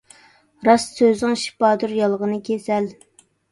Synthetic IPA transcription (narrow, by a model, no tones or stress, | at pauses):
ɾɑssøzɪŋʃi̥pɑːd̪uɾjɑlˠʁənɨkʲʰesɛl